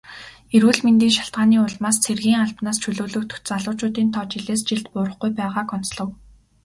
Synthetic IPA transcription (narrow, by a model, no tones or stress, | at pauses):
eɾwɘ̆ːɮment̪iːŋʃḁɬt̪̚ɢaːniːʊɮmaːst͡sʰerɣiːŋaɮpnaːst͡ɕʰɵɮɵːɮɵ̆k̚t̪ɵ̥t͡saɮʊːt͡ɕʊːt̪iːnt̪ʰɔːt͡ɕiɮeːst͡ɕiɮt̪̚pʊːɾə̆χɡujpæːʁaːkɔn̥t͡sɮɞ̆w